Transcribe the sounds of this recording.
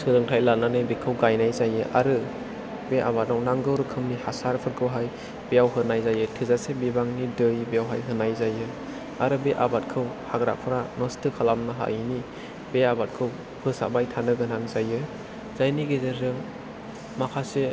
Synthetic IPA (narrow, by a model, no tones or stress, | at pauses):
sɯlɯŋtʰajlatnanɯjbekʰɯwɡajnajzajɯʔaɾɯ | beʔabat̚ɾawnaŋɡɯwɾɯkʰɯmnihasaɾpʰɯɾkʰɯwɦaj | b̥ejawɦɯnajzajɯtʰɯzasebibaŋnidɯjbijawɦajɦɯnajzajɯ | a̰ɾɯbeʔabat̚kʰɯwhaɡɾa̰ʔpʰɯɾanɔstʰɯkʰalamnaɦa̰jni | beabat̚kʰɯw | pʰɯsa̰bajtʰanɯɡɯnaŋzajɯ | z̥ajniɡezezɯŋ | makʰase